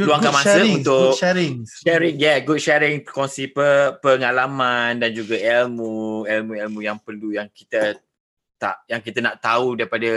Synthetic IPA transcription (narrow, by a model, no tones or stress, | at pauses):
luaŋkamãsəunt̪ʊɛɾɪŋʃɛɾɪŋjɛɡut̚ʃɛɾɪŋkɔnsipəpəŋalamandand͡ʒuɡaɛlmuɛlmũɛlmũjaŋpəlujaŋki̥t̪ə | t̪a̰ʔjaŋkit̪anaʔt̪audaɾipada